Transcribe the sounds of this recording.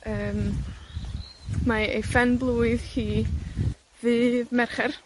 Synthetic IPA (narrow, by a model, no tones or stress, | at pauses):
əːm | maejfɛnblˠuːɨðhiː | vɨːðmɛrχɛr